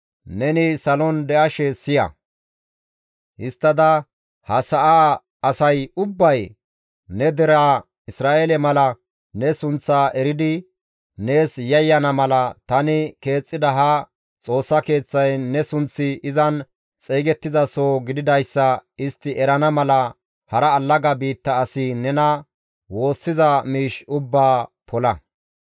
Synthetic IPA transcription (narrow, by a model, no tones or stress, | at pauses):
nɛnɪsɐlɔnd̪ɛʔɐʃɛsɪjɐ̰ | hɪst̪ːɐd̪ɐ | hɐsɐʔaː | ɐsɐjʊbːɐj | nɛd̪ɛɾaː | ɪsɾaːʔelɛmɐlɐ | nɛsʊnt͡sːaːʔɛɾɪd̪ɪː | e̞ːsjɐjːɐnɐmɐlɐt̪ɐnɪke̞ːt͡sʼːɪd̪ɐɦɐ | t͡sʼo̞ːsːɐke̞ːt͡sːɐjnɛsʊnt͡sːɪɪzɐn | t͡sʼeːɡɛt̪ːɪzɐsoːɡɪd̪ɪd̪ɐjsːɐɪst̪ːɪʔɛɾɐnɐmɐlɐ | hɐɾɐːlːɐɡɐbiːt̪ːɐːsɪnɛnɐ | wo̞ːsːɪzɐmiːʃʊbːaːpʰɔlɐ